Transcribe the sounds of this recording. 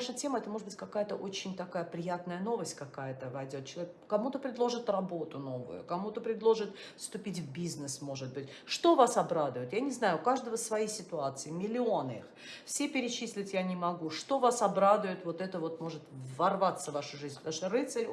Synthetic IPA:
ʂətʲe̞məɛt̪əmoʐɨd̪bɨtʲkɐkajət̪əʔot͡ɕɪnʲt̪ɐkajəpɾʲɪjat̪nəjəno̞vəsʲtʲkɐkajət̪əvɐjdʲo̞t̪̚t͡ɕɪlˠɐvʲekkːɐmut̪əpɾʲɪd̪lˠo̞ʐɨt̪rɐbo̞t̪ʊno̞vʊ̰jʊ̰kɐmut̪əpɾʲɪd̪lˠo̞ʐɨt̪ | fst̪ʊpʲitʲvbʲiznɨsmo̞ʐɨt̪̚bɨtʲ | ʂt̪o̞vasɐbɾad̪ʊjʊt̪janʲɪznajʊkaʐd̪əvəsvɐjisʲɪt̪ʊat̪sɨɪmʲɪlʲɪo̞nɨḭx | fsʲepʲɪɾʲɪt͡ɕisʲlʲɪtʲjanʲɪmɐɡuʂt̪o̞vasɐbɾad̪ʊjʊt̪vo̞t̪ɛt̪əvo̞t̪mo̞ʐɨt̪vɐrvat̪sːəvaʂʊʐizʲnʲpət̪ɐmuʂt̪orɨt̪sɨlʲ

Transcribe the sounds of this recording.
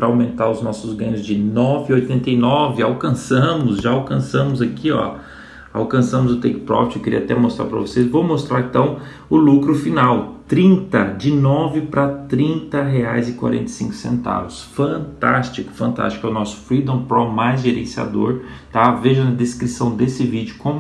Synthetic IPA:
pɾɐawmẽnt̪aɾʊznɔsʊzɡɐ̃ɲʊzd͡ʒɪnɔvɪojt̪ẽnt̪ejnɔvɪawkɐ̃sɐ̃mʊzʒaawkɐ̃sɐ̃mʊzakiɔ̰ | a̰wkɐ̃sɐ̃mʊzʊt̪ɛkɪ̥pɾɔ̰ft͡ʃewkɪɾḭat̪ɛ̰most̪ɾa̰ɾpɾɐ̰vosezvowmost̪ɾaɾẽt̪ɐ̃w̃ | ʊlukɾʊfinawt̪ɾĩnt̪ɐd͡ʒɪnɔvɪpɾɐt̪ɾĩnt̪ɐɦeajzɪkwa̰ɾḛ̃nt̪ejsĩŋkʊ̥sḛ̃nt̪a̰vʊsfɐ̃t̪a̰st͡ʃikʊ̥fɐ̃nt̪a̰st͡ʃi̥kɛʊnɔsʊ̥fɾid̪õpɾɔmajzʒeɾḛ̃sia̰d̪oɾt̪aveʒɐnɐd̪eskɾisɐ̃w̃d̪esɪvid͡ʒʊkõm

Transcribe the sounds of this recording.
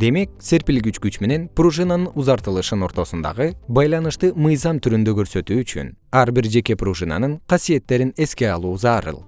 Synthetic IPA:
d̪e̞me̞k̚seɾpilɡyt͡ʃkyt͡ʃme̞ne̞npruʒɨnanɯnuzɑɾt̪ɯlˠɯʃɯno̞ɾt̪o̞sund̪ɑ̰ʁɯbɑjlˠɑnɯʃt̪ɯmɯjzɑmt̪ʰyɾynd̪øɡø̞ɾsø̞t̪yːt͡ʃy̰nɑɾbiɾd͡ʒe̞ke̞pruʒɨna̰nɯɴqʰɑsije̞t̪ːe̞ɾine̞ske̞ɑlˠuːzɑːɾɯ̰lˠ

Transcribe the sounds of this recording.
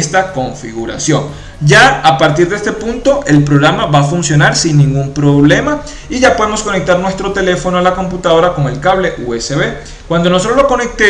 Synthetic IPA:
st̪ako̞ɱfḭɣuɾa̰sjo̞ŋ | d͡ʒaːpaɾt̪iɾðest̪e̞punt̪o̞ʔe̞lpɾo̞ɣɾamaβafunsjo̞naɾsinːĩŋɡumpɾo̞βle̞ma | iʝapo̞ðemo̞sko̞nek̚t̪aɾnwe̞st̪ɾo̞t̪e̞le̞fo̞noalako̞mput̪aðo̞ɾako̞ŋe̞lkaβle̞ʔuese̞βe̞ | kwand̪onos̬oɾloko̞ne̞k̚t̪e

